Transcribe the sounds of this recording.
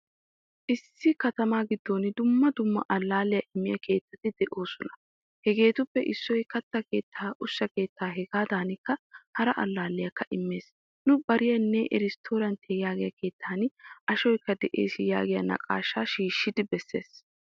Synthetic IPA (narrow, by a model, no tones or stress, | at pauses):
ʔɪsːɪkɐt̪ɐmaːɡɪd̪ːo̞ːnɪd̪ʊmːɐd̪ʊmːɐ̰ʔɐlːaːlɪjɐʔɪmːɪjɐke̞ːt̪ːɐt̪ɪd̪ɛʔo̞ːsɔnɐ̥ | hɛɡe̞ːt̪ʊpːɛʔɪsːɔjkɐt̪ːɐke̞ːt̪ʰːaːʔʊsːɐke̞ːt̪ːaːɦɛɡaːd̪aːnɪkːɐhɐɾɐʔɐ̰lːaːlːɪjɐkːɐʔɪmːe̞ːs | nʊbɐɾɪjɐnːɛʔɛ̰ɾɪst̪ʰo̞ːɾɐnt̪ʰejaːɡɪjɐke̞ːt̪ʰːaːnʔɐʃɔjkːɐd̪ɛʔe̞̰ːsɪja̰ːɡɪjɐ̰nɐ̰kʼa̰ːʃaːʃiːʃːɪd̪ɪbɛsːeːs